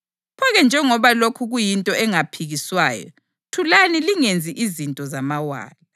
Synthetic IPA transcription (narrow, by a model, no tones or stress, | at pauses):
pʰɔɣɛnd͡ʒʱɛŋɔβalokʰuɣujintʼɔɛŋapʰiɣiswaːjɔ̰ | tʰulaniliŋend͡zʱiʔizintʼɔzamawa̰ːli